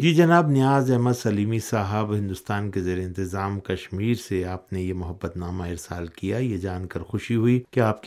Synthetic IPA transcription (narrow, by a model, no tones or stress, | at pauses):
jd͡ʒiːd͡ʒɐnaːbnɪjaːzɛɦməd̪sɐliːmisaːɦəbɦɪ̃nd̪ʊst̪aːnkezeːɾeɪ̃nt̪ɪzaːmkɐʃmiːɾseaːpnejemʊɦəbːət̪naːmaɪɾsaːlkijajed͡ʒaːnkɐɾxʊʃiɦuikeaːp̚k